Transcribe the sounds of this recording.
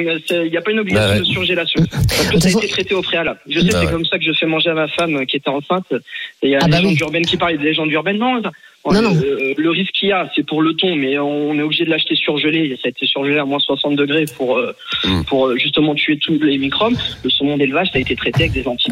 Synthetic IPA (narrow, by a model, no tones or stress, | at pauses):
sɛiljapaynɔbliɡasjɔ̃d̪əsyʁʒelasjɔ̃paʁskəsaet̪et̪χet̪eopχealablʒəsɛksɛkɔmsakəʒəfɛmɑ̃ʒeamafamøkʲiet̪ɛɑ̃sɛ̃t̪ejalzeʒɑ̃d̪yʁbɛnkʲipaʁld̪əleʒɑ̃d̪yʁbɛnːɔ̃sa | ɔ̃ləʁiskʰːiasɛpuʁlət̪ɔ̃mɛɔ̃ːnɛobliʒed̪əlaʃt̪esyʁʒəlesaet̪ʰesyʁʒəleamwɛ̃swasɑ̃t̪̚d̪əɡʁepʰuʁ | puʁøʒys̬t̪əmɑ̃t̪yet̪ʰulemikχɔbləsɔmɔ̃d̪elvaʒsaet̪et̪χet̪eavɛk̚d̪ezɑ̃t̪i̥